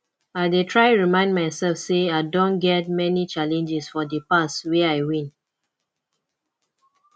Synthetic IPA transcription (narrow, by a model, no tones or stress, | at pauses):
aɪdetʰɹaɪɹimãɪ̃ndmaɪsɛlfseaɪdõnɡɛt̚mɛnit͡ʃalɛ̃nd͡ʒɛsfɔdəpaswɛaɪwĩn